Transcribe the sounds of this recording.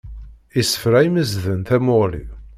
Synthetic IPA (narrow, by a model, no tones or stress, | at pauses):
isə̥fɾæiməzðənθæmʊlḭ